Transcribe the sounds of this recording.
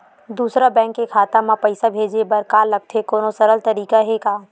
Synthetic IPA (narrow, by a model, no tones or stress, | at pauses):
d̪uːsɾabɛ̃ːŋkːekʰaːt̪amãpɐɪsabʱeːd͡ʒebɐɾkaːlɐɡ̚t̪ʰekoːnosɐɾəlt̪ɐɾiːkaɦekaː